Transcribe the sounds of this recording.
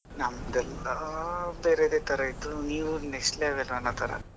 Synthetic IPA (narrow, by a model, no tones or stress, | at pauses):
nɐmd̪ɛlːɐbeːɾed̪eːt̪ɐɾɐit̪ːuniːʋunesʈleaːʋɛlːɐnːat̪ɐɾɐ̰